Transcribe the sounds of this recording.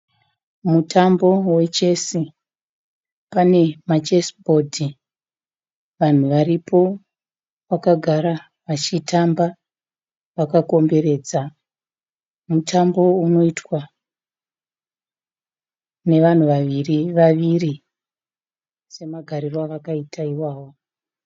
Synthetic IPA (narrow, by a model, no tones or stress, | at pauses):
mutʰambo̞we̞t͡ʃe̞si | pane̞mat͡ʃesbʱo̞dʱi | ʋan̤uʋaɾipʰo̞ | wakaɡʱaɾa | ʋat͡ʃitamba | ʋakako̞mbe̞re̞d͡za | mutʰambo̞uno̞itwa | ne̞ʋan̤uʋaʋiriʋaʋiri | se̞maɡʱaɾirwaʋakaitʰaiwaːwo